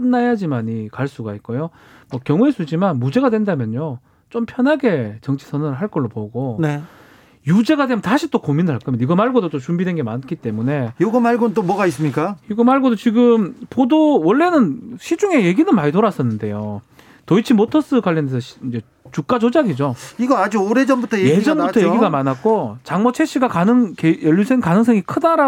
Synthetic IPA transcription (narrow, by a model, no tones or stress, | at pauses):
ɯnːajad͡ʑimaɲikaɭs͈uɡait̚k͈ojo | mwʌkjʌŋues͈ud͡ʑimanmud͡ʑe̞ɡadwe̞ndamjʌɲjo | t͡ɕompʰjʌnɦaɡe̞t͡ɕʌŋt͡ɕʰi̥sʰʌnɯɭɦaɭk͈ʌɭːopoɡone | jud͡ʑe̞ɡadwemtaɕʰit͈okominɯɭɦaɭkʰʌmjiɡʌmaɭɡodot͈ot͡ɕumbidwe̞nɡemank͈ʰit͈e̞mune̞joɡʌmaɭɡonnt͈omwʌɡais͈ɯmɲik͈ajoɡʌmaɭɡodot͡ɕiɡɯmpodowʌɭːe̞nɯnɕʰid͡ʑuŋe̞je̞ɡinɯnmaɲitoɾas͈ʌnːɯnde̞̰jo | toit͡ɕʰimotʰʌs͈ɯkwaʎːʌndesʰʌind͡ʑe̞ | t͡ɕuk̚k͈ad͡ʑod͡ʑaɡid͡ʑoiɡʌad͡ʑuoɾe̞d͡ʑʌnbutʰʌjjed͡ʑʌnbutʰʌjeɡiɡamanak̚k͈ot͡ɕaŋmʌt͡ɕʰe̞ɕ͈ʰiɡakanɯŋkejʌʎːjusʰeŋkanɯŋsʰʌŋikʰɯdaɾa